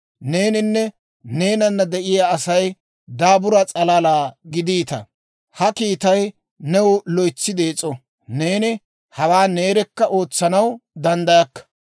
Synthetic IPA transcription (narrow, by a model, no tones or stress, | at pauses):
ne̞ːnɪnːɛ | ne̞ːnɐnːɐd̪ɛʔɪjaːsɐj | d̪aːbʊɾɐt͡sʼɐlaːlaːɡɪd̪iːt̪ɐ̰ | hɐkiːt̪ɐj | nɛwlɔjt͡sːɪd̪eːt͡sʼːɔ | ne̞ːnɪ | hɐwaːne̞ːɾɛkːɐʔo̞ːt͡sːɐnɐwd̪ɐnd̪ɐjɐkːɐ̥